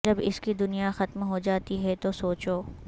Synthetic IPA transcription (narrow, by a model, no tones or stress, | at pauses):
d͡ʒɐbɪskid̪ʊnijaxɐt̪mɦod͡ʒaːt̪iɦɛt̪osoːt͡ʃoː